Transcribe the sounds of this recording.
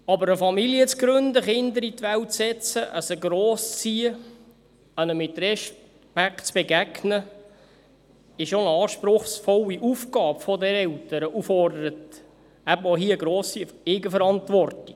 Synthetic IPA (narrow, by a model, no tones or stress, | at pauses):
ɑbəɾəfɑmiliət͡sɡɾɵnd̪əχɪnd̪əɾit̪ʋæwsɛt͡səʔəsəɡɾoːsi | ənəmɪt̪rɛʃ | pækt͡sb̥eɡæɡnə | ɪʃonɑːʃpɾʊχsfɔliʔufkɑːbfɔdɛɾɛlt̪əɾəʔufɔrd̪əɾət̪ | æbəoɦiəɡɾoːsieːɡəfəɾɑnt̪ʋɔrti̥